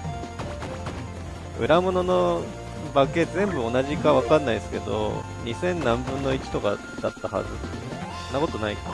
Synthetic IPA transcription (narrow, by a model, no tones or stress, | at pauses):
ɯ̟ɾamo̞no̞no̞ | bake̞zẽ̞mbɯ̟o̞naʑikaβakãnːaisɨ̥ke̞d̪o̰ | ɲ̟isẽ̞nnãmbɯ̟̃nːo̞it͡ɕi̥t̪o̞ka̰ | d̪at̪ːaha̰zɨonːako̞t̪o̞nai